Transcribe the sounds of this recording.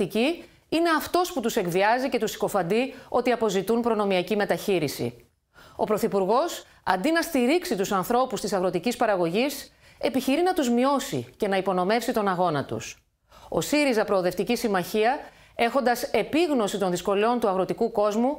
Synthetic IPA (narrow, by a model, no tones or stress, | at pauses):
t̪ici | ine̞ɐft̪o̞sput̪use̞kðiɐzice̞t̪usi̥ko̞fɐnd̪io̞t̪iɐpo̞zit̪unpɾo̞no̞miɐcime̞t̪ɐçiɾisḭ | o̞pɾo̞θipuɾɣo̞s | ɐ̰nd̪inɐst̪iɾiksit̪usɐnθɾo̞pust̪isɐɣɾo̞t̪icispɐɾɐɣo̞ʝis | e̞piçiɾinɐt̪uzmio̞sḭce̞nɐipo̞no̞me̞fsit̪o̞nɐɣo̞nɐt̪ṵs | o̞̰siɾizɐpɾo̞ːðe̞ft̪icisimɐçiɐ | e̞xo̞nd̪ɐse̞piɣno̞sit̪o̞nðisko̞leo̞nt̪uɐɣɾo̞t̪ikuko̞zmu